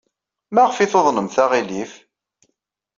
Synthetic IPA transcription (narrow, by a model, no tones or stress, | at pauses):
mæʁəfiθoðˤnəmθaʁilif